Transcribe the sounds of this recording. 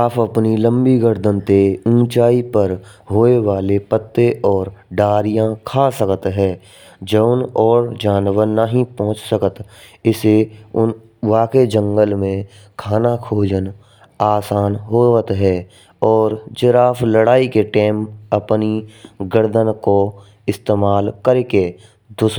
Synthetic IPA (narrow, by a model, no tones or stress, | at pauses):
aːpʰəpnilə̃mbiɡəɾd̪ənt̪eũːt͡ʃaːipəɾ | ɦoːeʋaːlepət̪ːeʔɔːɾɖaːɾijãkʰaːsəkət̪ɦɛː | d͡ʒəʊnɔːɾd͡ʒaːnwəɾnaɦĩpɔ̃ɦʊ̃t͡ʃsəkət̪ɪseʊn | ʋaːked͡ʒə̃ŋɡəlmẽ | kʰaːnakʰoːd͡ʒən | aːsaːnɦoːət̪ɦɛː | ɔːɾd͡ʒəɾaːfʰləɽaːikeʈeːməpniɡəɾd̪ənko | ɪst̪eːmaːlkəɾke | d̪ʊs